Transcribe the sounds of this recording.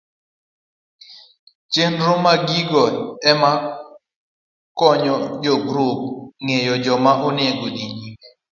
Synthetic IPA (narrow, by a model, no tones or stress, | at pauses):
t͡ʃenɾomaɡiɡɔɛma | kɔɲɔd͡ʒɔɡɾup̚ŋejɔd͡ʒɔmaʔʊnɪeɡodiɲinɛ